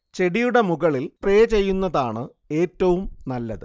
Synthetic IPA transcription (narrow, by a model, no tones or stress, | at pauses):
t͡ɕe̞ɽijuɽe̞muɣɐɭilpreːt͡ɕe̞jːunːɐðaːɳɨ | e̞ːtːɐʋumnɐlːɐðɨ